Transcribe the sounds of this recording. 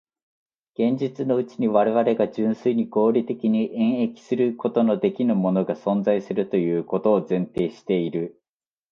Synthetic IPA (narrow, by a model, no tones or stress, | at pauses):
ɡ̥ẽ̞ɲ̟d͡ʑit͡sɨno̞ɯ̟t͡ɕiɲ̟iβaɾe̞βaɾe̞ɡaʑɨ̃ɰ̃sɨiɲ̟iɡo̞ːɾʲit̪e̞kʲiɲ̟iʔẽ̞ɰ̃e̞kʲi̥sɨɾɯ̟ko̞t̪o̞no̞d̪e̞kʲinɯmo̞no̞ɡasõ̞nd͡zaisɨɾɯ̟t̪o̞jɯ̟ːko̞t̪o̞ːzẽ̞nt̪e̞ːɕi̥t̪e̞iɾɯ̟